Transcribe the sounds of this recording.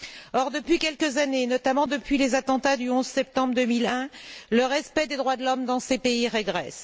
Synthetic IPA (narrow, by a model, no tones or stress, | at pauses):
ɔʁd̪əpɥikʲɛlkəzanenɔt̪amɑ̃d̪əpɥilezat̪ɑ̃t̪ad̪yɔ̃zsɛp̚t̪ɑ̃bʁd̪əmilɛ̃ləʁɛspɛd̪ed̪ʁwad̪əlɔmd̪ɑ̃sepeiʁeɡʁɛs